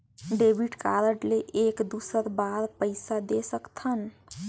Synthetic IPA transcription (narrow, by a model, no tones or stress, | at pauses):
ɖebʱiɖkaɾəɖleʔekd̪usəɾbaɾpəɪsad̪esəkt̪ʰən